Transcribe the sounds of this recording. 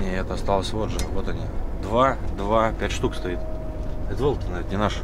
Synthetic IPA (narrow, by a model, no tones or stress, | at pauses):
nʲiɛt̪əɐst̪alˠəsʲvo̞t̪ʐɨvo̞t̪ɐnʲid̪vad̪vapʲætʲʂt̪ukst̪ɐit̪ | ɛt̪volˠkʲɪnat̪nʲɪnaʂ